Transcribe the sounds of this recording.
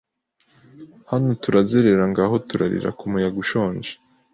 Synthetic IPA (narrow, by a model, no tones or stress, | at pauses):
hanotuɾazeɾe̞ɾaŋɡaːɦo̞tuɾa̰ɾḭɾa̰kumujaɡuʃoːɲd͡ʒe̥